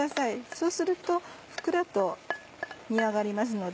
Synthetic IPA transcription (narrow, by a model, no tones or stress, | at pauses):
asaiso̞ːsɨɾɯ̟t̪o̞ɸɯ̥kɯ̟ɾat̪o̞ | m̟ʲiaɡaɾʲimas̬ɨno̞d̪